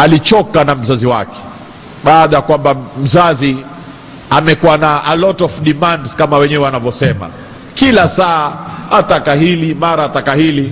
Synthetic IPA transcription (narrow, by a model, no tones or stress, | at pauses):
alit͡ʃɔkanam̩zaziwa̰kɛ̥ | ɓaːɗajakwambam̩zazi | amɛkuwanaʔalɔtɔvɗimandskamawɛɲɛwɛwanavjɔsɛma̰ | kilasaaat̪akaɦilimaɾaːt̪akahili